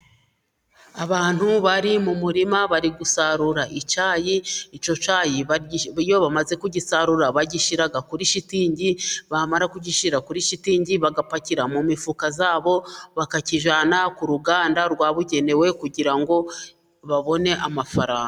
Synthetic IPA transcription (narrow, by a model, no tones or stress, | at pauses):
aβaːn̥huβaɾimumuɾimaβaɾiɡusaɾuɾaʔit͡ʃaːjiit͡ʃo̞t͡ʃaːjiββijo̞βamaze̞kuɟisaɾuɾaβaɟiʃiɾaɡakuɾiʃitiːɲɟiβamaɾakuɟiʃiɾakuɾiʃitiːɲɟiβaɡapaciɾamumifukazaːβo̞βakaciʒaːnakuɾuɡaːndaɾɡwaːβuɟe̞ne̞we̞kuɟiɾaŋɡo̞ | βaβo̞ne̞ʔamafaɾaːŋɡa